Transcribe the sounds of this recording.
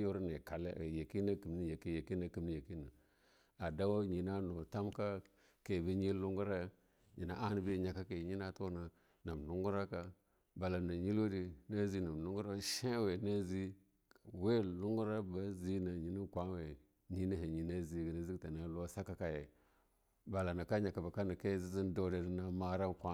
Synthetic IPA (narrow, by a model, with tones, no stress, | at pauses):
jo˦ɾne˨ka˨lḛ˦˨je˨ki˦na˦ki˨mni˦je˨ki˦je˨ki˦na˦ki˨mni˦je˨ki˦na˨ | a˨da˦wa˦ɲi˨na˦no˨ta˦mka˦ | ke˨bi˦ɲi˦lu˦ŋɡu˦ɾa˦ | ɲi˨na̰˦ʔa˦n˦bi˦˨ɲa˨ka˦ke˨ɲi˦na˦to˦na˨ | na˨m˨lu˦ŋɡu˦ɾa˦ka˦ | ba˨la˨na˨ɲi˦lo˦di˨na˦zi˦na˨m˨lu˦ŋɡu˦ɾa˦ʃe˦we˨na˦zi˦˨ | we˦lu˦ŋɡu˦ɾa˦ba˦zi˦na˨ɲi˨na˦kʷa˦we˨ | ɲi˦na˦he˨ɲi˨na˦zi˨ɡi˨na˨zi˦kta˨na˨lo˦sa˦ka˦ka˨je˨ | ba˨la˨na˨ka˦ɲa˨ka˨ba˨ka˦na˨ke˦zi˦zi˦ndo˦de˨ni˦na˦ma˦ɾa˦kʷa˦